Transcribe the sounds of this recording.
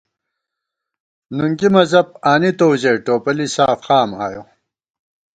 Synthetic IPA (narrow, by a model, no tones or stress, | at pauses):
nuŋɡimɐzɐb̚aːnit̪owʑeːʈoːpɐlisaːfxaːmaːjo